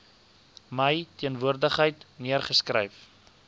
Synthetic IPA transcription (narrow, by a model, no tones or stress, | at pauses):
məjtiənvuərdəχɦəjtniərχəskrə̰jf